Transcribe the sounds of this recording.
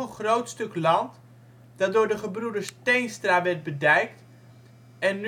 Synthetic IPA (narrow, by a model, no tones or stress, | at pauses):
ənχrowtstɵklɑnt | d̥ɑdʊːɹdəχəbrudəɹstejnstraːʋɛɹt̚bədɛjkt | ɛnː